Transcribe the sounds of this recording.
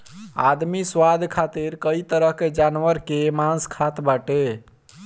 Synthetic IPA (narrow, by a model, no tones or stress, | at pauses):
a̰d̪miswad̪ʱkʰat̪iɾkəit̪əɾəɦked͡ʒanʋəɾkemanskʰat̪baʈe